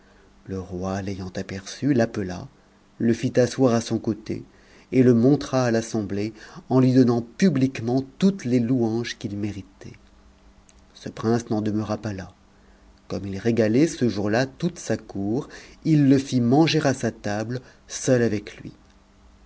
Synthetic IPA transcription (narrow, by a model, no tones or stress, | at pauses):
ləʁwalejɑ̃t̪apɛʁsylapəla̰ | ləfit̪aswaʁasɔ̃kot̪ḛ | eləmɔ̃t̪χaːlasɑ̃bleɑ̃lɥid̪ɔnɑ̃pyblikmɑ̃t̪ut̪leluɑ̃ʒkilmeʁit̪ɛ̰ | səpχɛ̃snɑ̃d̪əməʁapala | kɔmilʁeɡalɛsəʒuʁlat̪ut̪sakuːʁilːəfimɑ̃ʒeʁasat̪abl | sœlavɛklɥḭ